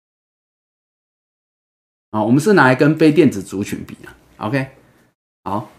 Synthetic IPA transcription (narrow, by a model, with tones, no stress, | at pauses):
ɔ˨wɔ˨mə˨nʂɻ̩˥˨na˨˥i˨kə˦npe˥˧ɪt̪̬jɛ˥˨nt͡sɹ̩˨˩t͡su˨˥t͡ɕʰy˨˥npḭ˨˩˦nə̰˨˦ | ʔo̰˨˧kʰe˥˦ɪ | hɑ˨˩˦ʊ